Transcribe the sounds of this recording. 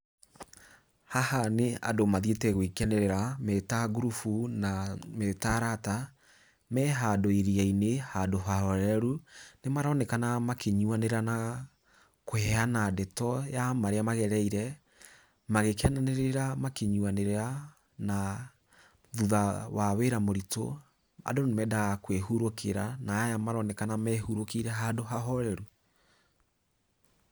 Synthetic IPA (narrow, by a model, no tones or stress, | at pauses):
hahaneadomaðietɛɣwikɛnɛɾeɾametaɡuɾufunametaɾata | mɛɦadoeɾiainehadoɦahɔɾɛɾunemaɾɔnɛkanamakʰeɲuaneɾana | kohɛanadɛtɔjamaɾeamaɣɛɾɛiɾɛ | maɣekeananeɾeɾamakeɲuaneɾeɾa | na | ðuðawaweɾamoɾito̰ | a̰donemɛdaɣakweɦuɾokeɾanaːjamaɾɔnɛkanamɛhuɾokiɾɛɦadoɦaɦɔɾɛɾu